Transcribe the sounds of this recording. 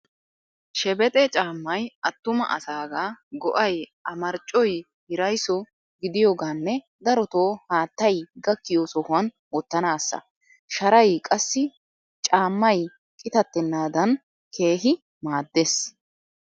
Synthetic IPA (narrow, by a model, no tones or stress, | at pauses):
ʃɛbɛt̪ʼɛt͡ʃʼaːmːɐjɐt̪ːʊmɐ̰ʔɐ̰saːɡaːɡɔʔɐjɐmɐɾt͡ʃʼːɔj | hɪɾɐjsɔ | ɡɪd̪ɪjoːɡaːnːɛ | d̪ɐɾɔt̪oːhaːt̪ːɐjɡɐkːɪjoːsɔhʊwɐn | wɔt̪ːɐnaːsːɐ̰ | ʃɐɾɐjkʼɐsːɪ | t͡ʃʼaːmːɐj | kʼɪt̪ɐt̪ːɛnːaːd̪ɐn | kʰe̞ːɦɪ | maːd̪ːeːs